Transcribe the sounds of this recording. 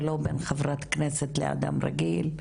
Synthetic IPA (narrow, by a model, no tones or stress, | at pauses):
lobenχevʁat̪kneset̪lḛa̰d̪a̰mʁa̰ɡil